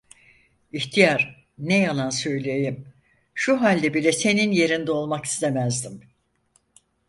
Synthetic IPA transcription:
içt̪ʰijaɾ | nejalˠansø̞jlʲejim | ʃuɦalʲd̪ɛbilʲɛse̞ninje̞ɾind̪ɛo̞lˠmaki̥st̪ʰemæzd̪im

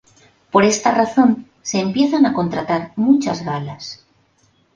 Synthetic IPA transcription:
po̞ɾe̞st̪araθo̞n | se̞ːmpje̞θanako̞nt̪ɾat̪aɾmut͡ʃazɣalas

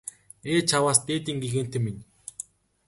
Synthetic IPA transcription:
eːt͡ɕʰawaːst̪eːt̪iːŋɡiɣeːn̥t̪ĕminʲ

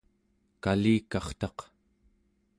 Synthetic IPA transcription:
kaliːkɑχt̪ɑq

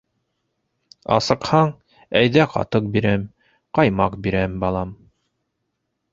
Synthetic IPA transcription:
ɑ̰sɤ̆qhɑɴ | æjðæqɑ̰t̪ɤq̚biɾæm | qɑjmɑqbiɾæmbɑlˠɑm

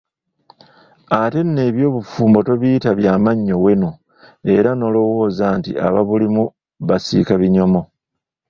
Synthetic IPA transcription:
ate̞ne̞βjo̞ːβufuːmbo̞to̞βiːtaβjaːmaɲːo̞we̞no | e̞ɾano̞lo̞wo̞ːzaːntḭa̰βa̰βulimu | βasḭkaβiɲo̞mo̞

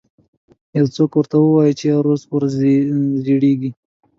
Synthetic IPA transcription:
jawt͡sokwəɾt̪awəwɑjət͡ʃeaɾospoɾ | zeɽeɡi

